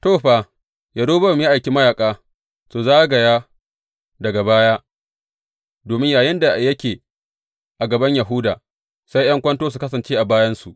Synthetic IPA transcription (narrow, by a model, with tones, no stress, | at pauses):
toː˦˨ɸaː˨ | ja˨doː˦bɐ˦˨m˦ja˦ʔa˨jkʲi˦mɐ˦jaː˨kʼaː˦ | su˨zaː˦ɡɐ˨jaː˦ | dɐ˨ɡa˨baː˦jaː˦ | doː˨mɪ˦ɲjaː˨jɪ˦nda˨jɐ˦kʲeː˨ | ʔa˨ɡɐ˨bɐ˦ɲja˨ɦʊ˦da̰ː˨ | sa˦jʔɐ˦ŋkʷɐ˦ntoː˦s̬u˨kɐ˦sɐ˨nt͡ʃeː˦ʔa˨baː˦jɐ˦nsu˨ʔ